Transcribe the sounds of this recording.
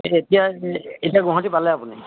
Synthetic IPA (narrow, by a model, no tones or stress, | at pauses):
etijaetiaɡɔ̃ɦɔtipalɛapuni